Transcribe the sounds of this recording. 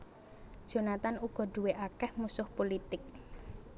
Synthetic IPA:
d̥ʒ̥o̤nat̪anuɡ̥ɔ̤ɖ̥ṳweʔakɛhmusʊhpolit̪ɪk̚

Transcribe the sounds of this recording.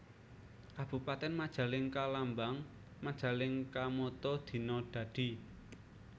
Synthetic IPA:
kab̥ṳpat̪ɛnmad̥ʒ̥ä̤lɪŋkalambaŋ | mad̥ʒ̥ä̤lɪŋkamɔt̪ɔd̪̥i̤nɔɖ̪̥ä̤d̪̥i̤

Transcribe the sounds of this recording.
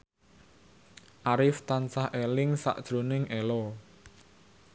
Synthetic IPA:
ʔaɾɪft̪ansahʔɛlɪŋsa̰ʔd̥ʒ̥ɾonɪŋʔɛlɔ

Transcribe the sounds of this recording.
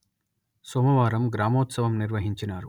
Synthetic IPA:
soːmɐʋaːɾɐmɡɾaːmoːt̪sɐʋɐmniɾʋɐɦiɲt͡ʃinaːɾu

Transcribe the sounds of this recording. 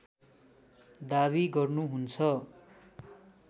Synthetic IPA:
d̪aβiɡʌrnuɦunt͡sʰʌ

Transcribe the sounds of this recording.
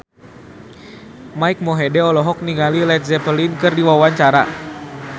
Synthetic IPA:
maik̚mɔɦɛdɛɔlɔɦɔk̚niŋɡalilɛt̪̚zɛpəlinkɨrdiwawaɲt͡ʃaɾa

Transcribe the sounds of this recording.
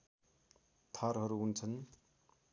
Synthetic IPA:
t̪ʰʌrɦʌɾuɦunt͡sʰʌn

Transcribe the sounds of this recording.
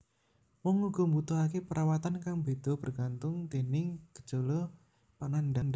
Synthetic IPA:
wɔŋuɡ̥ɔ̤mbut̪ʊɦakepəɾʔawat̪ankaŋbed̪̥ɔ̤b̥ərɡ̥ant̪ʊŋt̪enɪŋɡ̥ə̥d͡ʒolɔ | panandanda

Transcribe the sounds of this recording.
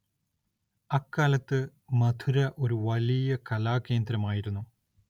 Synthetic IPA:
ɐkːaːlɐt̪ːɨ | mɐd̪ʰʱuɾɐʔo̞ɾuʋɐlijɐkɐlaːkːe̞ːnd̪ɾɐmaːjiɾunːu

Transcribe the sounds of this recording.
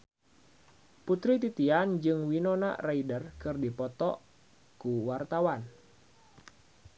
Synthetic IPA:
put̪ɾit̪it̪iand͡ʒɨŋwinɔna̰raidərkɨrdipɔt̪ɔ̰ | kuwart̪awan

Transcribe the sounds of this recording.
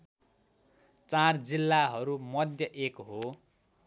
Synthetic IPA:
t͡sard͡zilːaɦʌɾumʌd̪ʱjʌʔekɦo

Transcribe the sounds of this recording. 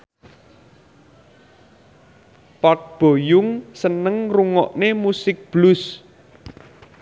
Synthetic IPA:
pɔt̚b̥o̤jʊŋsənəŋruŋɔʔnemusɪk̚b̥lʊs

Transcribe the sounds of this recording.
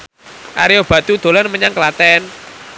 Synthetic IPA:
ʔa̰ɾiob̥at̪ud̪̥o̤lɔnməɲaŋkəlat̪ɛn

